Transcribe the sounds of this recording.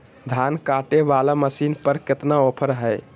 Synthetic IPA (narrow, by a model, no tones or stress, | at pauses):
d̪ʱankaʈeʋalaməsinpəɾket̪naopʰəɾɦəj